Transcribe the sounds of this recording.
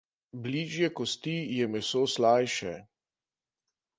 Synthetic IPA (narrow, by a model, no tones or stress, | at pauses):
bliːʒjɛkɔst̪ijɛmɛsoːslaːjʃɛ